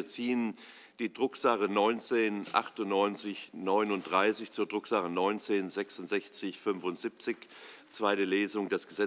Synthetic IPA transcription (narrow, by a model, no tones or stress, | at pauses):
ɐt͡siːən | d̥iːdʁʊkz̥aχənɔʏnt͡seːnʔa̰χtʊnnɔʏnt͡sɪçnɔʏnʊnt̚d̥ʁaɪsɪçt͡suːɐdʁʊkz̥aχənɔʏnt͡seːnzɛksʊntz̥ɛçt͡sɪçfʏnvʊntz̥ip̚t͡sɪçt͡sv̥aɪɾəleːzʊŋdɛsɡ̥əzɛ